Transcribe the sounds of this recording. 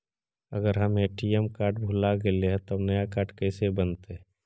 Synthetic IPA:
əɡəɾɦəmeʈiɛmkaːɾʈ̚bʱulaɡeleɦɛ̃t̪onəjakaːɾʈkɛːsebənt̪eɛ

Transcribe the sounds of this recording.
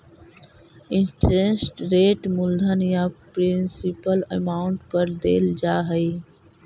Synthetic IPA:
ɪ̃nʈɾẽnsʈɾeːʈmʊld̪ʱənjapɾɪ̃nsɪpələ̰maːʊɳʈpəɾd̪ḛːld͡ʒaːɦəi

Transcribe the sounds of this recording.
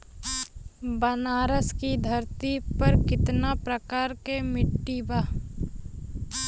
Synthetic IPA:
bənaːɾəskid̪ʱɐɾt̪ipɐɾkɪt̪napɾəkaːɾkemɪʈːibaː

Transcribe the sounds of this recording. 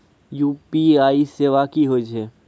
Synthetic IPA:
juːpiaːiseʋakiɦoːd͡ʒɦɛː

